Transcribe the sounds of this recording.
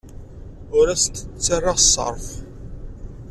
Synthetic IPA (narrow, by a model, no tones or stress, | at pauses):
ʊɾæsəət͡sːərːɑsˤːə̰ɾˤf